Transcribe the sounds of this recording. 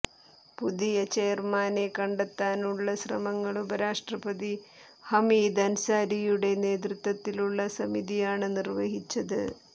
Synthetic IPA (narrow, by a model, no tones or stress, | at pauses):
pud̪ijɐt͡ɕeːrmaːne̞kɐɳɖet̪ːaːnuɭːɐɕrɐ̰mɐŋːɐɭubɐɾaːʂʈrɐbɐði | hɐmiːd̪ɐnsaːɾijuɽe̞ne̞ːd̪rut̪wɐt̪ːiluɭːɐsɐmiðijaːɳɨnirʋɐɦit͡ɕːɐðɨ̰